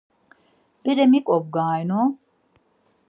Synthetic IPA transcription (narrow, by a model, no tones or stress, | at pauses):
biɾemikʼob̚ɡaːjno